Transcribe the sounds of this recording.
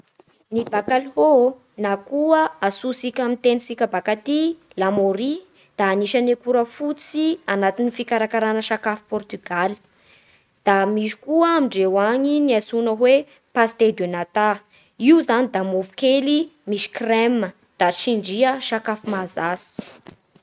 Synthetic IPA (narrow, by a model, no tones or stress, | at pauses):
nibakalɦo | nakuəasusikʲamint̪enisikʲəbakat̪i | lamoɾi | d̪̥aːniʃanekuɾəfut͡sianat̪inifikaɾakaɾanəʃakafi̥pɔrt̪yɡ̥ali̥ | d̪̥amiʃi̥kuəːmiɳɖ͡ʐewaɲiniasunəɦwe | past̪ed̪enat̪a | iuzanid̪amovukelimiʃi̥kremə | d̪̥at͡ʃiɳɖ͡ʐiəʃakafumazasi̥